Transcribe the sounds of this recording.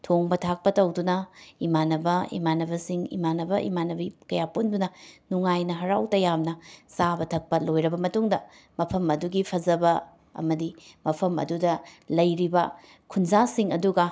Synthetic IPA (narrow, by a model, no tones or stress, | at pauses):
tʰoŋbɐtʰak̚pɐtɐwdunɐimanɐbɐḭmanɐbɐsiŋḭmanɐbɐʔḭmanɐbikɐjapundunɐnuŋajnɐɦɐɾawtɐjamnɐsabɐtʰɐk̚pɐlojɾɐbɐmɐtuŋdɐ | mɐpʰɐmɐduɡipʰɐzɐbɐ | ɐ̰mɐdimɐpʰɐmɐ̰dudɐlɐjɾibɐ | kʰunzasiŋɐduɡɐ